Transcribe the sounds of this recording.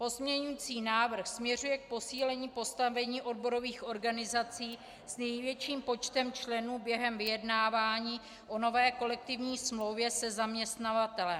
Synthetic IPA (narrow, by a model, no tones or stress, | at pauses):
po̞zmɲɛɲujiːt͡siːnaːvr̩xsmɲɛrujɛk̚po̞siːlɛɲiːpo̞st̪avɛɲiːʔo̞dbo̞ɾo̞viːxʔo̞ɾɡanɪzat͡siː | snɛjvjɛt͡ʃiːmpo̞t͡ʃt̪ɛmt͡ʃlɛnuːbjɛɦɛmvɪjɛdnaːvaːɲiː | ʔo̞no̞vɛːko̞lɛk̚t̪ɪvɲiːsmlo̞wvjɛsɛzamɲɛst̪navat̪ɛlɛm